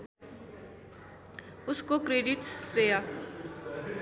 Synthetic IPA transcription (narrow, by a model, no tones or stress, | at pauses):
ʊsɪ̥kokrediʈsːeːa